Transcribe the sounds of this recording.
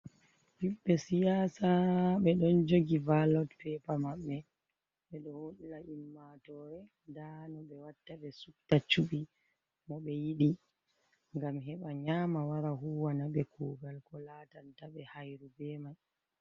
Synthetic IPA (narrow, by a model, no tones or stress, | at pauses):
biɓːɛsijaːsaɓɛɗɔnd͡ʒoɡivalɔtfɛpamaɓːɛ | ɓɛɗɔhoɗilaʔimːatɔːɾɛ | ndanɔɓɛwatːaɓɛsuktat͡ʃuɓi | mɔɓɛjiɗi | ŋɡamɦɛɓaɲaːmawaɾaɦuwanaɓɛkʰuɡalkɔlaːtantaɓɛhajɾubɛːmaj